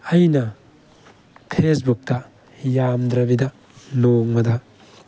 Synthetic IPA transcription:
ɐjnɐ | pʰesbuk̚tɐ | jamd̪ɾɐbidɐ | loŋmɐdɐ

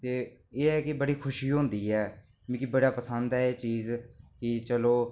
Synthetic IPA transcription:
t̪eːeːɛːkɪbəɽiːkʰʊʃiːɦõːnd̪iːɛː | m̃ːkɪbəɽaːpəsənd̪ɛeːt͡ʃiːzkɪt͡ʃəloː

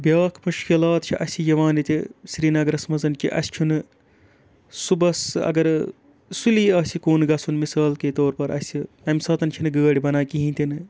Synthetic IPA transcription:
bʲjaːkʰmuʃkilaːt̪t͡ʃʰiʔɐsʲid͡ʒɐʋaːnit̪ʲisɾiːnɐɡɐɾɐsmɐzɐnkʲʰḭʔɐ̰sʲt͡ʃʰunɨ | subɐsɐ̰ɡɐɾ | suliːɐːsikoːnɡɐsʰunmisaːlkeːt̪oːɾpɐɾɐ̰si | ɐmsɐːt̪ɐnt͡ʃʰinɨɡəːɽʲibɐnaːkiɦĩːt̪ʲinɨ

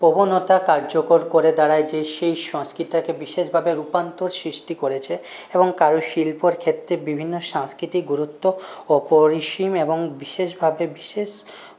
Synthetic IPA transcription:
pobonot̪akaɾd͡ʑokoɾkoɾed̪aɽaed͡ʑeʃejʃɔ̃ŋskɾit̪akebiʃeʃbʱabeɾupant̪oɾsɾiʃʈikoɾet͡ɕʰeeboŋkaɾoʃilpoɾkʰet̪ːɾebibʱinːoʃãŋskɾit̪iɡuɾut̪ːoɔpoɾiʃimeboŋbiʃeʃbʱabebiʃeʃ

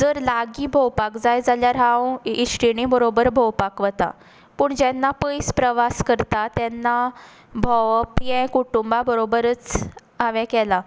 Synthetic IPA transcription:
d͡zəɾlaɡiːbʱowpakd͡zajd͡zaljaɾɦãwiʂʈinibəɾobəɾbʱowpakʋət̪a̰ | pəːɳd͡ʑɛnːapəjspɾəʋaskəɾt̪at̪ɛnːa | bʱɔwpjɛ̃kuʈumbabəɾobəɾət͡s | aʋɛ̃kɛla

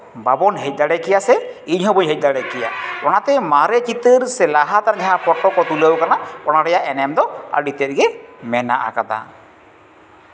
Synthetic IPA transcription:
babɔnɦɛc̚ˀd̪aɽɛkɛjasɛiɲɦɔbɔɲɦɛc̚d̪aɽɛkɛja̰ɔɽ̃at̪ɛmaɾɛt͡ʃit̪əɾsɛlaɦat̪aɾɡɛɦapɔʈːɔkɔt̪uləwkanakɔɽ̃aɽɛjaʔɛnɛmd̪ɔə̰ɖit̪ɛt̪̚ˀɡɛmɛna̰ʔa̰kad̪a̰

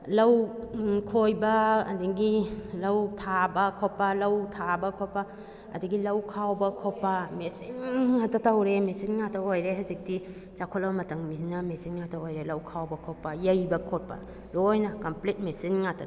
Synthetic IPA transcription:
lɐwkʰojbɐ̰ːdiŋɡilɐwtʰabɐkʰopɐlɐwtʰabɐkʰopɐ | ɐ̰diɡilɐwkʰawbɐkʰopɐmesinŋatɐtɐwɾemesinŋatʰɐojɾeɦɐzik̚ti | t͡ʃakʰolɐbɐmɐtɐŋminɐmesinŋatʰɐojɾelɐwkʰawbɐkʰopːɐjɐjbɐkʰot̚pɐ̰ | ɾojnɐkɐmplit̚mesinŋatʰɐ

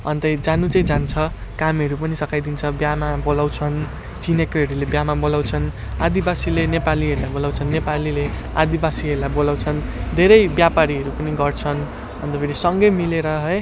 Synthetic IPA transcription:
ʌnt̪ʌjd͡zanut͡saĩd͡zant͡sʰʌ | kamɦʌɾupʌnisʌkʰajd̪int͡sʰʌbjamabolawt͡sʰʌn | t̪ʰinekʌɦʌɾulebjamabolawt͡sʰʌn | ad̪ibasilenepaliɦʌɾulajbolawt͡sʰʌnːepalile | a̰d̪ibasiɦʌɾulajbolawt͡sʰʌnd̪ʱeɾʌjbjapaɾiɦʌɾupʌniɡʌrt͡sʰʌn | ʌ̰nt̪ʌpʰeɾisʌŋɡʌjmileɾʌɦʌj

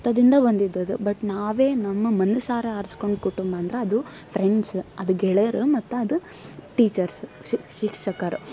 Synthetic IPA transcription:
t̪ːɐd̪ind̪ɐbɐnd̪id̪ːɐd̪ubɐʈnaːʋeːnɐmːɐmɐnusaːɾɐɐɾsko̞ɳɖkuʈumbɐːnd̪ɐɾeɐd̪u | pʰɾeɳɖsɐd̪uɡɛɭɐɾumɐt̪ːuɐd̪u | ʈiːt͡ʃɐɾsʃikʂɐkɐɾu

